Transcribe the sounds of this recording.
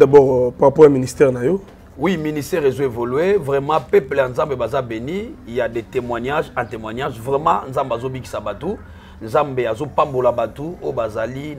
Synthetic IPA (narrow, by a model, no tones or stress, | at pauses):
dabɔʁpaʁapɔjaministɛʁnajo | wiministɛʁezoevolɥevʁɛmɑ̃pɛplejanzambebazabenijadetemwaɲaʒɛ̃temwaɲaʒvʁɛmɑ̃nzambazobiki̥sabatu | nzambeazopambolabatuojobazali